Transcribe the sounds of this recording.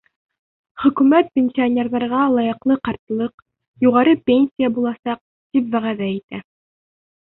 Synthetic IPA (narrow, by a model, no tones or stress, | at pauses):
χɵ̆kʉmæt̪̚pʲenʲsʲionʲerðɑɾʁɑlˠɑjɤ̆qlˠɤqɑɾt̪ɤ̆lˠɤq | juʁɑɾɤpʲenʲsʲijabulˠɑsɑq̚ | t̪ipvæʁæðæit̪æ